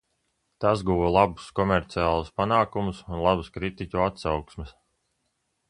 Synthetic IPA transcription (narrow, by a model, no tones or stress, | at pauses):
t̪asɡuʋɔlˠabu̥skɔmɛɾt̪siaːlˠuspanaːkumusunlˠabuskɾit̪icʲuat̪sawksmɪs